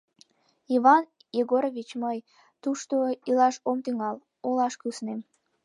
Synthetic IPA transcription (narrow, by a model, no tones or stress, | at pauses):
iβɑn | jeɣoɾovit͡ɕməj | t̪uʃt̪oilɑʃomt̪yŋɑl | olɑʃkysnem